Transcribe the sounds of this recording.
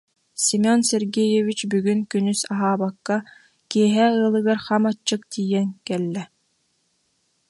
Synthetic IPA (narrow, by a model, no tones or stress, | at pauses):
simʲɔnsɛɾɡɛjɔvit͡ɕbyɡynkynysaɦaːbakːa | kiɛɦɛɯːlˠɯɡaɾχamat͡ʃːɯk̚t̪ʰiːjɛŋkɛlːɛ